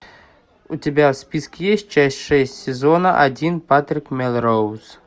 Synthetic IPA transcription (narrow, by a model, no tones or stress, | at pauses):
utʲabʲawspʲiskʲɪjesʲtʲt͡ʃasʲtʲʂɛsʲtʲsʲɛzɔnɐʔad͡zʲinpat̪ɾɨkmʲɛlˠɾows